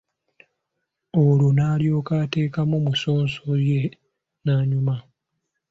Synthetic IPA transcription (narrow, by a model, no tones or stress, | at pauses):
olunaːljo̞ːkate̞ːkamumuso̞ːnsoje̞ | naːɲuma